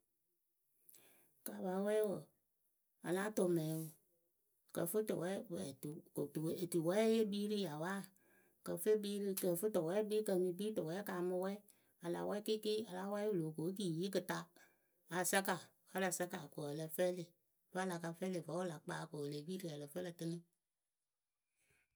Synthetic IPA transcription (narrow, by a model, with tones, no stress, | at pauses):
ka˨ba˨˦wɛ˦wo˨ | a̰˨la˦to˨mɛ˨˦wu˨ | kə̰˨fɨ˦to̰˨wɛ˦bɛ˨tu˨ko˨tu˨e˨tu˨wɛ˦je˦bi˦ɾi˦ja˨wa˦ | kə˨fe˦biː˦ɾɨ˧kə˨fɨ˦tɔ˨wɛ˦bi˦kə˧˨mĩ˧˦biː˦to˨wɛ˨˦ka˨mɨ˧wɛ˦ | a˨la̰˨wɛ˦ki˦ki˦a˨la˨˦wɛ˦wu˨lo˨ko˨˦k̬i˦˨ji˦k̬ɨ˨ta˧ | a˨sa˦ka˨ | fə˦la˨sa˦ka˨ko˨ə˨lə˧fɛ˦le˨ | va˦la˨ka˧fɛ˦le˨fa˨˦wo˦la˨k͡paː˨˦˨ko˨le˨biː˦ɾi˦a˨lə˨fə˦lə˧tɨ˦nɨ˦